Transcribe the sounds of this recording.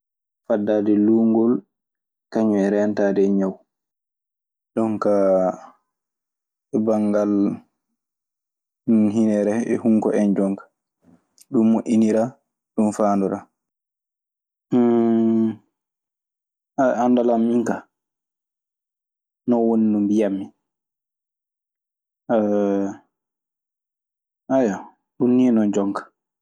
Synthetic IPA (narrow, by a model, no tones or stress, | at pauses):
fadːadɛluːŋɡɔl | kaɲɔɛɾɛntadɛɲaw | ɗɔŋka | ɛbaŋɡal | ɦinɛɾɛɛ̰huŋkɔʔɛnd͡ʒɔŋkḁ | ɗumːoʔiniɾa | ɗumfaːndɔɾa | aandalamːiŋka | nɔwondumbijamːi | ʔaja | ɗunːinɔnd͡ʒɔŋkḁ